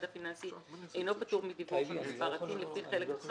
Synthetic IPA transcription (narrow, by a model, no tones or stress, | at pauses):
d̪afinansiejno̞pat̪uʁmid̪ivukspaʁat̪imlefiχelek